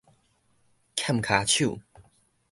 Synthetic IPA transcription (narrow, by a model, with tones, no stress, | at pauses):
kʰja˥˨mkʰa˨˦t͡ɕʰu˥˨